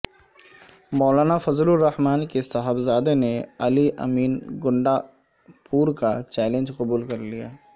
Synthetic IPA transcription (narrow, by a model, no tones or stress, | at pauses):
mɔːlaːnafɐzlʊɾːɐhmaːnkesɐɦəbzaːd̪eneɐliʔɐ̰miːnɡʊ̃ɳɖa | puːɾkat͡ʃɛːlẽnd͡ʒqɐbuːlkɐɾlijaː